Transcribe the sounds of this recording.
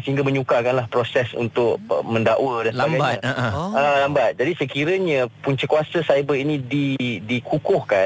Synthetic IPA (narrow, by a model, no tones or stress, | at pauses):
səɦiŋɡaməɲukakanlahpɾosɛsṵnt̪ʊk̚mə̃ndaʔwədansəbaɡajɲaalambat̪̚d͡ʒadisəkiɾəɲãpuɲt͡ʃəkuasəsajbəɾinĩdidikʰukʊhkan